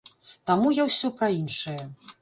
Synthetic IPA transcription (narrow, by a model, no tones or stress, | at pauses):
t̪amujawsʲɔpɾɐinʂɐjɐ